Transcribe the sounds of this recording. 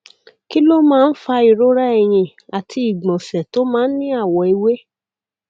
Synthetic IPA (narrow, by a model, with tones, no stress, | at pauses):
ki˦lo˦mãː˦˧n̩˦fa˧i˨ɾo˦ɾa˦ɛ˨j̃ĩ˧˨ | a˨tʰi˧i˨ɡ͡bɔ̃˨sɛ˨to˦mãː˦n̩˦nĩ˦a˦˨wɔ˧i˧we˦